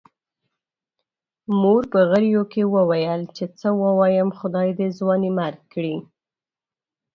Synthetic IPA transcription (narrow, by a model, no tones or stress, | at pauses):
moɾpəɣəɾjokewəwajəlt͡ʃet͡səwəwɑjəmxʊd̪ɑjd̪əzwɑnimaɾɡ̚kːɽi